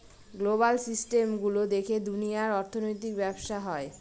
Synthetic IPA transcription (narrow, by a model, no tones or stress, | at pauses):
ɡloβalsisʈemɡulod̪ekʰed̪unijaɾɔɾt̪ʰonojt̪ikbɛbʃaɦɔe